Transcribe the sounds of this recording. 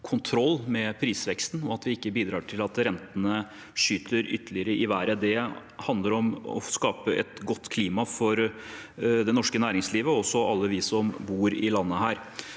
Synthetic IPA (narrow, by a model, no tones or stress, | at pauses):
kʰʊnt̪ʰɾɔlːmɛpʰɾiːsʋɛkst̪n̩ɔɑt̪ʋɪɪkːəbiːd̪ɾɑːʈʰɪlɑt̪ɾɛnt̪ənə | ʂyːt̪ʰəɾʏt̪ːəlɪəɾəʔɪʋæːɾəd̪ɛ | hɑnd̪əɾɔmɔ̰skɑːpəʔɛ̰t̪ɡɔt̪ːkʰliːmɑfɔɾ | d̪ɛnɔʂkənæːɾɪŋsliːʋəɔsːɔʔɑlːəʋɪsɔmbuːɾɪ̰lɑnːəhæːɾ